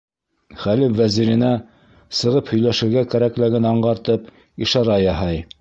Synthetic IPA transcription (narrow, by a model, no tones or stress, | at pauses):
χælɘfvæziɾɘ̆næ | sɤ̆ʁɤphɵ̆jlæʃɘ̆ɾɡækæɾæklæɡɘnɑɴɢɑɾt̪ɤp | iʃɑɾɑjɑɦɑj